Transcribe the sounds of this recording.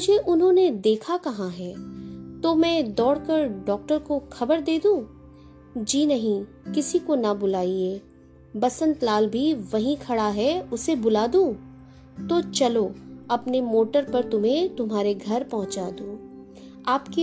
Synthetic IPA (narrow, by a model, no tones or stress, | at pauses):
ʊd͡ʒʱeʔʊnɦõned̪eːkʰakɐɦãɦɛːt̪omɛ̃ːd̪ɔːɽkəɾɖɔːk̚ʈəɾkoxɐbəɾd̪eːd̪ũː | d͡ʒiːnɐɦĩ | kɪsikonɐbʊlaːieː | bɐsə̃nt̪laːlbʱiʋɐɦĩkʰɐɽaɦɛʊsebʊlaːd̪ũː | t̪ot͡ʃɐloɐpnemoːʈəɾpɐɾt̪ʊmɦẽt̪ʊmɦaːɾeɡʱɐɾpɐɦʊ̃t͡ʃaːd̪ũː | aːpke